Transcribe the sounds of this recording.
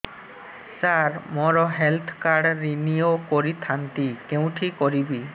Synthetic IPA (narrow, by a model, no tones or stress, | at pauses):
saɾmɔɾɔɦelt̪ʰkaɽːinijokɔɾit̪ʰant̪ikeũʈʰikɔɾibi